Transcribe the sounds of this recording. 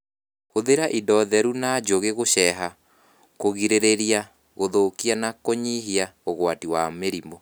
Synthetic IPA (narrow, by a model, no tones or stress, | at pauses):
hoðeɾaʔidɔðɛɾunad͡ʒoɣeɣoʃɛɦa | koɣiɾeɾeɾia | ɣoðokianakoɲiɦiaoɣwatiwameɾimɔ